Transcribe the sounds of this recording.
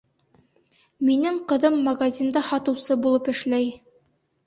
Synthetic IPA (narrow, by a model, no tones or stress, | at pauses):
minɘŋqɤ̆ðɤmːɐɡazʲind̪ɑhɑt̪ɤ̆wsɤbulˠɤpɘ̆ʃlæj